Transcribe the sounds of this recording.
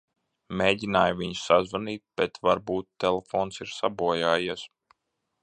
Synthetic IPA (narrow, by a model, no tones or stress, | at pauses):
meːɟʲinaːjviɲssazvaniːt̪̚b̥ɛt̪vaɾbuːt̪ːɛlɛfɔːnsiɾsabuɔjaːjis